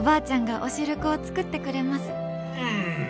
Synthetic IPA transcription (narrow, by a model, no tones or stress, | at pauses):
baːt͡ɕãŋɡaʔo̞ɕiɾɯ̟kɯ̟o̞t͡sɨ̥kɯ̟t̪ːe̞kɯ̟ɾe̞masɨ̥ | ha